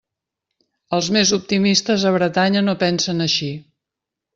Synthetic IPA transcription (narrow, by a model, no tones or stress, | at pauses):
əlˠzmezup̚t̪imist̪əzəβɾət̪aɲənopɛnsənəʃi